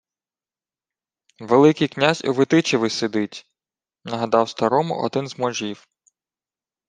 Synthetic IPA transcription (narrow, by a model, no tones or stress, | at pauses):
ʋelˠɪkɪjknʲazʲṵʋɪt̪ɪt͡ʃeʋɪsed̪ɪtʲ | nɐɦɐd̪ɑwst̪ɐɾɔmʊ̰ʔɔ̰d̪ɪnzmɔʒiw